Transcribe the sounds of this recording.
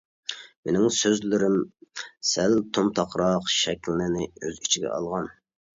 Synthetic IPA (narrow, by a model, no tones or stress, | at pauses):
menɪŋsøzlɪɾɪmsælt̪ʰomt̪ʰɑqɾɑqʃɛkʲʰlnɪnɪøzit͡ʃʰiɡʲɛ̰ɑ̰lˠʁɑn